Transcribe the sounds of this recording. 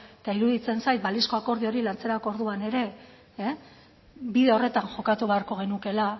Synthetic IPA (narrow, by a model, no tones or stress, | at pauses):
et̪aiɾuðit͡se̞nsajt̪̚balisko̞ako̞ɾð̞io̞ɾilant͡se̞ɾakoɾðuane̞ɾe̞ | biðe̞o̞re̞t̪anʝo̞kat̪uβe̞aɾko̞ɣ̞e̞nuke̞la